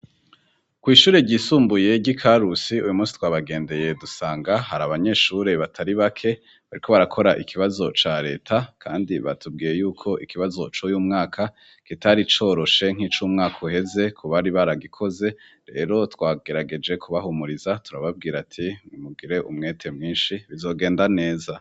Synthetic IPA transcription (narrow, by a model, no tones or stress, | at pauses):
kwiːʃuːɾe̞ɟiːsuːmbuje̞ɟikʰaɾusiujumuːsi̥twaːβaɡe̞ːnde̞je̞dusaːŋɡaɦaɾaβaɲe̞ːʃuɾe̞βatʰaɾiβakʰe̞ | βaɾikʰo̞βaɾakʰo̞ɾaʔikʰiβazo̞t͡ʃaɾe̞ːtʰakʰa̰ːndiβa̰tub̚ɡiːje̞juːkʰo̞ʔikiβazo̞t͡ʃojuːmŋaːkʰa | kitaɾit͡ʃo̞ːɾo̞ʃe̞ŋ̥iːt͡ʃuːmŋaːkʰoɦe̞ze̞kʰuβaɾiβaɾaɡikʰo̞ze̞ | ɾe̞̰ːɾo̞twaːɡ̥e̞ɾaɡe̞d͡ʒe̞kʰuβaɦumuɾizatuɾaβab̚ɡiːɾatʰimubɡiɾe̞ʔumŋe̞ːtʰe̞mŋiːnʃiβizo̞ːɡe̞ːndane̞ːza